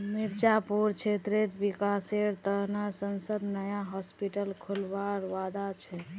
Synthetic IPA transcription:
miɾd͡ʒapuɾt͡ʃʰet̪ɾet̪bikaseɾt̪ənəɾsənsəd̪nəjaɦɔspiʈəlkʰulʋaɾʋad̪at͡ʃʰɛ

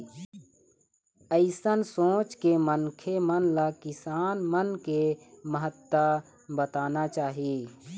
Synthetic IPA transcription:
əɪsənsõːt͡ʃkemənkʰemənlakɪsaːnmənkeməɦət̪ːa | bət̪aːnat͡ʃaːɦijeː

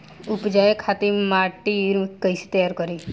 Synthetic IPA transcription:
ʊpd͡ʒajekʰːat̪imaːʈiɾkəjse̥t̪əjaːɾkəɾi

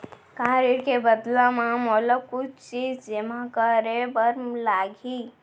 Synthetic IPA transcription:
kãɾiɽkebəd̪lamamɔləb̚kut͡ʃʰt͡ʃid͡ʒd͡ʒemãkəɾebəɾmlaɡʱi

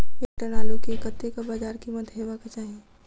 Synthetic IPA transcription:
eʈənaːlõkekət̪ːekabaːd͡ʒaːɾkimət̪ɦeːʋakɐt͡ʃaːɦie

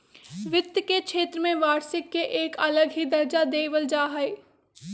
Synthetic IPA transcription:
ʋɪt̪jkekʃeːt̪ɾəmẽʋaːɾsɪkːeʔeːkɐləɡɦid̪ɐɾd͡ʒad̪eːʋəld͡ʒaːɦɛe

